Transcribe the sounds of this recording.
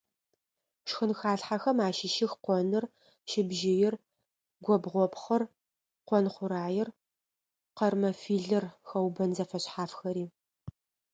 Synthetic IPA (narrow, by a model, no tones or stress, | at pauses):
ʃxɨnxaːɬħaxɐmaːʃɪʃɪxqʷɔnɨr | ʃɪbʒɪjɪr | ɡʷɔbʁʷɔpχɐr | qʷɔnχʷʊɾaːjɪr | qɐrmɐfiːɮɨrxɐwbɐnzɐfɐɕħaːfxɐɾiː